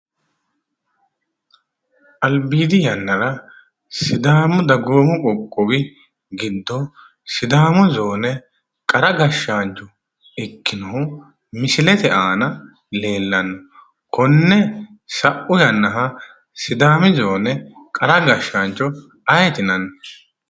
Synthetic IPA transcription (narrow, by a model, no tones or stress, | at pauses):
ʔɐlbiːd̪ɪjɐnːɐɾɐ | sɪd̪aːmʊd̪ɐɡoːmʊkʼɔkʼːɔbɪ | ɡɪd̪ːɔ | sɪd̪aːmʊzoːnɛ | kʼɐɾɐɡɐʃːaːnt͡ʃʼɔ | ɪkːɪnɔhʊ | mɪsɪlɛt̪ɛʔaːnɐ | le̞ːlːɐnːɔ | kɔnːɛ | sɐʔʊjɐnːɐɦɐ | sɪd̪aːmɪzoːnɛkʼɐɾɐɡɐʃːaːnt͡ʃʼːɔ | ɐjɛt̪ɪnɐnːɔ